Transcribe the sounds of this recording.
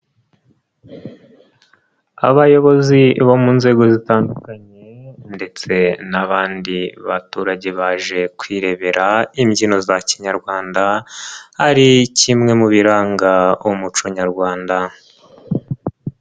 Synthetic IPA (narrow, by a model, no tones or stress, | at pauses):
a̰βajo̞βo̞ziβo̞munze̞ːɡo̞zitaːndukaɲe̞nde̞t͡se̞naβaːndiβatuɾaɟe̞βaʒe̞kwiːɾe̞βe̞ɾaimɟino̞zaciɲaɾɡwaːndahaɾicimŋe̞muβiɾaːŋɡaomut͡ʃoɲaɾɡwaːnda